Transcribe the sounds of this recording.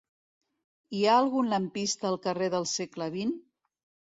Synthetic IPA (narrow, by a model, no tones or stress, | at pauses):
iaəlˠɣunləmpist̪əːlˠkəreðəlˠsekləβ̞in